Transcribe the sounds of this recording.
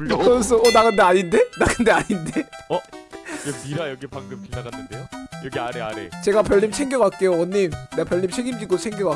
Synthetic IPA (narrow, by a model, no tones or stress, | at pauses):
s͈ʰoonaɡɯndeaɲinde̞naɡɯnde̞aɲindeʌkepiɾajʌɡepaŋɡɯmpinːaɡanːɯnd̪ejojʌɡiaɾea̰ɾet͡ɕe̞ɡapjʌɭːimt͡ɕʰeŋɡjʌɡak͈e̞joʌɲːimneapjʌɭːimt͡ɕʰeɡimd͡ʑik͈ot͡ɕʰeŋɡjʌɡa